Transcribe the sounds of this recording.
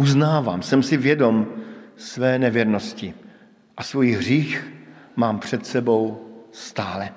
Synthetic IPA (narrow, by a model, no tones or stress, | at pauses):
ʔuznaːvaːmsɛmsɪvjɛdo̞msvɛːnɛvjɛɾnoscɪ | ʔasvujiɦr̝iːx | maːmpr̝̥ɛt̪sɛbo̞wst̪aːlɛ